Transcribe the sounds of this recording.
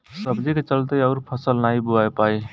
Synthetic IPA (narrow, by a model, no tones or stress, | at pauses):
səbd͡ʒiket͡ʃəlt̪əjʌʊɾpʰəsəlnaibuajpaj